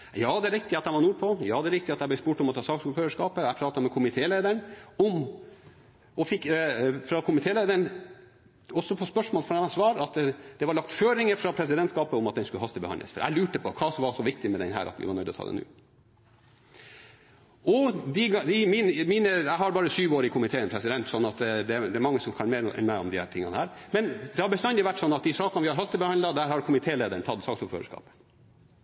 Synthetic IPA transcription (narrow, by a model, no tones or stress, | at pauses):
jɑːd̪ɛɾɪk̚t̪ɪɑt̪d̪æɪʋɑɾnuːɾpʰɔjɑ̰ːd̪ɛɾɪkt̪ɪɑt̪æɪblɛspuːʈɔmɔt̪ʰɑːsɑːksuːføːɾəʂkɑːpəæɪpʰɾɑːt̪ɑmɛkʰʊmɪt̪ʰeːleɪd̪əɳɔm | ɔfɪkːfɾɑkʰʊmɪt̪ʰeːleɪd̪əɳ | ɔsːɔpʰɔspœʂmoːlfɔɛɑsʋɑːɾɑt̪d̪̥ɛʋɑɭɑkt̪føːɾɪŋəfɾɑpʰɾɛs̬ɪd̪ɛnt̪skɑːpəʊmɑt̪d̪ɛnskʉləɦɑst̪əbəhɑ̰nlə̰sfɔ̰ɾʔæ̰ɪlʉːʈəpʰɔkʰɑːsɔmʋɑsɔʋɪk̚t̪ɪmɛd̪ɛ̰nɦæ̰ːɾʔɑ̰t̪ʋɪ̰ʋɑ̰nɳœʏd̪ɔt̪ʰɑ̰ːd̪ɛ̰nʉ̰ː | ʔɔd̪ɪɡd̪ɪmiːnmiːnəjæɪɦɑɾbɑːɾəsyːʋoːɾɪkʰʊmɪt̪ʰeːənpʰɾɛsɪd̪ɛnt̪sɔnːɑt̪d̪ɛd̪ɛæmɑŋːəsɔmkʰɑnmeːɾɛ̰nmæɪɔ̰md̪ɪhæːt̪ʰɪŋːɑ̰nəhæːɾmɛnd̪ɛhɑɾbəst̪ɑnd̪ɛʋæʈːsɔnːɑt̪d̪ɪsɑːkɑnʋɪhɑɾɦɑst̪əbɛhɑnlɑd̪æɾhɑɾkʰʊmɪt̪ʰeːleːd̪əɳt̪ʰɑt̪ːsɑːksuːlfø̰ːɾə̰ʂkɑ̰ːpə